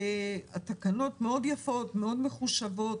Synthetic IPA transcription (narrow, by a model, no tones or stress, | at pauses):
at̪akano̞tme̞o̞djafo̞tmeo̞dmeχuʃavo̞t